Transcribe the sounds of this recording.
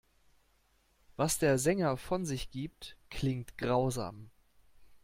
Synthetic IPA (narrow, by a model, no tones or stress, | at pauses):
vasd̥eːɐzɛŋɐfɔnzɪçɡ̥iːp̚tkʰl̥ɪŋtɡ̥ʁaʊza̰ːm